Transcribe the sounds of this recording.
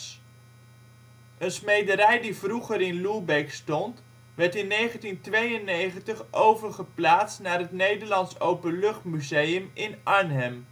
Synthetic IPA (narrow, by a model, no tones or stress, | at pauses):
ənsmejdəɾɛjdivruχəɾɪnlubɛjkstɔnt | ʋɛɹtɪnːejχəntintʋejənːejχəntəχʔowvəɹχəplaːtstnaːrɦətnejdəɹlɑnsowpənlɵχtmyzejəmɪnʔɑɹnɦɛm